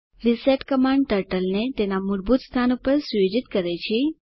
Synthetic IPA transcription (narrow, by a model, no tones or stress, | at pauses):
ɾiseʈkəmãɳɖʈəɾʈəlnet̪enamuɾbut̪st̪ʰanupəɾsjod͡ʒit̪kəɾet͡ʃʰe